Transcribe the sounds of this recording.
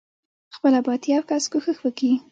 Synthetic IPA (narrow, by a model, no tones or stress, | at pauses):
xpəlabɑt̪jɑwkaskuxəxwəki